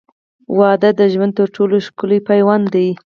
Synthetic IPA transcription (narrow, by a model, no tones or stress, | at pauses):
wɑd̪ad̪əʒwand̪t̪əɾʈʰoloʃkʊlipajwɑnd̪aj